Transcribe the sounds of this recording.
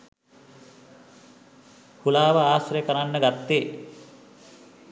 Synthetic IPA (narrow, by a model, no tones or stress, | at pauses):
hulaːʋəaːsrejəkəɾanːəɡat̪ːeː